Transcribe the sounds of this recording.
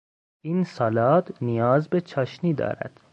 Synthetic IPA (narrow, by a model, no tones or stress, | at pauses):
ʔiːnsɒːlɒːt̪nijɒːzbet͡ʃʰɒːʃniːd̪ɒ̰ːɾæ̰d̪̥